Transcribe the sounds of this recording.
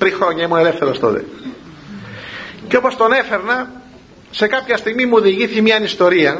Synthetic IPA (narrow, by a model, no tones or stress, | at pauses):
t̪ɾixɾo̞ɲɐimune̞lefθe̞ɾost̪o̰t̪ḛ | ceo̞po̞st̪o̞ne̞fe̞ɾnɐ | se̞kɐpçɐst̪iɣmimuoðiʝiθimɲɐnist̪o̞ɾiɐ